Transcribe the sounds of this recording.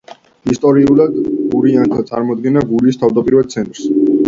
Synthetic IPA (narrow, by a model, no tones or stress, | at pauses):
ist̪ʼɔɾiulad̪ɡuɾiant̪ʰat̪sʼaɾmɔd̪̚ɡɛnaɡuɾiːst̪ʰavd̪apʼiɾvad̪t̪sʰɛnt̪ʼɾs